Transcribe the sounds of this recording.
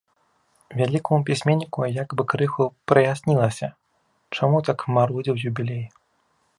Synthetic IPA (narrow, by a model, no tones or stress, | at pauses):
vʲalʲikumupʲisʲmʲenʲːikujakbɨkɾɨxupɾɨjasʲnʲilˠɐsʲɐ | t͡ʂamut̪akmaɾɔd͡zʲiwjubʲilʲej